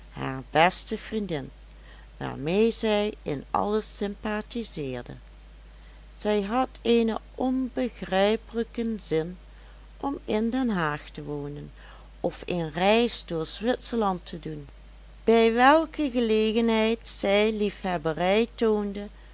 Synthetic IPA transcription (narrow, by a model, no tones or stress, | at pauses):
ha̰ːɹbɛstəvrindɪn | ʋa̰ːɹmejzɛjɪnɑ̰ləsɪmpatizɪːɹdə̰ | z̥ɛjɦɑteːnəʔɔnbəɣrɛjpələkənzɪn | ʔɔmɪndɛnɦaːxtəʋoːnən | ʔɔfenrɛjsdʊːɹz̥ʋɪtsəɹlɑntʰədun | b̥ɛjʋɛlˠkəɣəleːɣənɦɛjtsɛjlifhɛbərɛjtoːndə